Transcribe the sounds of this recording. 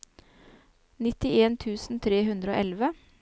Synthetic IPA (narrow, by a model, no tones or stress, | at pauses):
nɪt̪ɪeːnt̪ʰʉːsn̩t̪ʰɾeːɦʉnd̪ɾəo̰ːʔɛlʋə